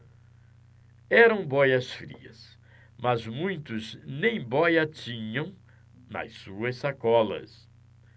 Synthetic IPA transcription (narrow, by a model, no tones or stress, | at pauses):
ɛɾɐ̃w̃bɔjɐsfɾḭɐ̰s | mɐzmũj̃t̪ʊznẽj̃bɔjɐt͡ʃĩɲɐ̃w̃ | nɐ̰ssuɐsakɔlɐ̰s